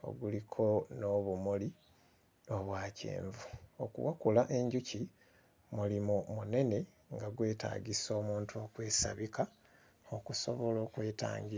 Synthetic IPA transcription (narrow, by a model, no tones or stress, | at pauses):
o̞̰ɡulikʰo̞no̞βumuli | o̞βwaːcḛːɱvuokṵwakulaʔe̞ɲɟuci | mulimumune̞ne̞ | ŋɡaɡwe̞ːta̰ːɡiso̞ːmuːntuokwe̞ːsa̰βika | o̞kuso̞̰βo̞lo̞ːkwe̞ːta̰ːɲɡiɾa